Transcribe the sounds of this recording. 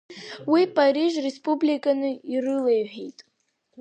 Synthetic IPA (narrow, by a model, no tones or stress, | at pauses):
wipʼariʒrespʼublikʼanɨirɨlejʕᶣejtʼ